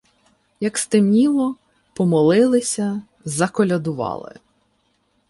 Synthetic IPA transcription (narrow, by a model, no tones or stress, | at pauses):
jɐkst̪ɪmnʲiʋɔ | pɔmɔlˠɪlˠɪsʲɐ | zɐkɔlʲɐd̪ʊʋɑ̰lˠɪ̰